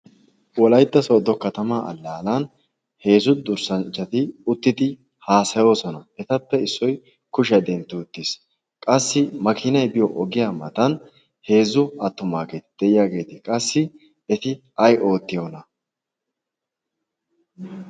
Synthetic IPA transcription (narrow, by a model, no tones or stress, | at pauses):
wɔlɐjt̪ːɐsoːd̪ɔkɐt̪ɐmaːʔɐ̰lːaːlɐn | he̞ːzʊd̪ʊɾsɐnt͡ʃːɐt̪ɪʊt̪ːɪd̪ɪ | haːsɐjo̞ːsɔnɐɛt̪ɐpːɛɪsːɔj | kʊʃɐd̪ɛnt̪ːʊʊt̪ːɪs | kʼɐsːɪmɐkʰɪnɐjbɪjɔʔɔɡɪjaːmɐ̰t̪ɐn | he̞ːzːʊɐt̪ːʊmaːɡe̞ːt̪ɪ̥d̪̥ɛjɪjaːɡe̞ːt̪ɪkʼɐsːɪ | ɛt̪ɪ | ɐjo̞ːt̪ːɪjoːnɐ